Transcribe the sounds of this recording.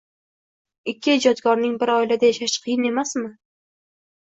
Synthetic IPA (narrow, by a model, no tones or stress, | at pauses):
ɪkʲːɪɪd͡ʒɒt̪ɡɒɾnɪŋbɪɾɒjlad̪ajaʃaʃqʰɨjɪne̞masmɪ